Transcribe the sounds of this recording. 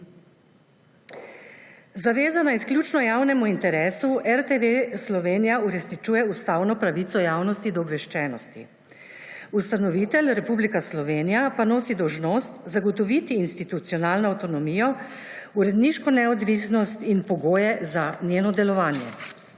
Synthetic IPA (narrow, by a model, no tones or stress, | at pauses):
zaʋeːzanaisklʲjut͡ʃnɔjaːwnɛmuint̪ɛɾeːsuɛɾt̪eʋeslɔʋeːnijauɾɛsnit͡ʃuːjɛust̪aːwnɔpɾaʋit̪sɔjaːwnɔst̪id̪ɔːbʋɛʃt͡ʃɛːnɔst̪ḭ | ust̪anɔʋit̪ɛlɾɛpublikaslɔʋeːnijapanoːsid̪ɔwʒnoːst̪zaɡɔt̪ɔʋit̪iːnst̪it̪ut̪sijɔnaːlnɔawt̪ɔnɔmiːjɔ | uɾɛd̪niʃkɔnɛɔd̪ʋisnɔst̪inpɔɡoːjɛzanjeːnɔd̪ɛlɔʋaːnjɛ̰